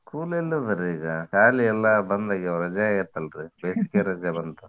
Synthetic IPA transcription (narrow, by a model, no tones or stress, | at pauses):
kuːlelːuʋɐɾiɡɐkaːliɛlːɐbɐnd̪ɐɡɾɐd͡ʒaiɾt̪ːɐlɾɯbeːsikeɾɐd͡ʒɐbɐnd̪ɐ